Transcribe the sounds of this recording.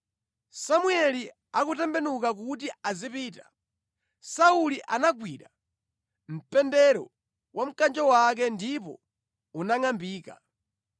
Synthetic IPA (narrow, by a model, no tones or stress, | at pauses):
samuɛli | akutɛmbɛnukak̬utiazipiːtḁ | sauliʔanaɡwiɾa | m̩pɛndɛɾɔ̰ | wʔam̩kand͡ʒɔwak̬ɛndipɔ̰ | unaŋambiːka̰